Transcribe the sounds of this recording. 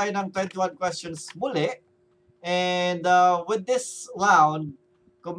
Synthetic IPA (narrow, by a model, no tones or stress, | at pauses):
jɨ̃nãjmt̪ɹãjɪ̃ŋt̪uwãnkwɛst͡ʃə̃nsmulɪʔ | ɛ̃ndʌwɪd̪ɪsɹãwn | kɔm